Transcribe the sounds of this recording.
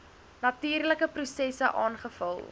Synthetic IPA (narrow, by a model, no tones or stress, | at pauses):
nɐtiːrləkəprusɛsəʔɑːnχəfɐlˠ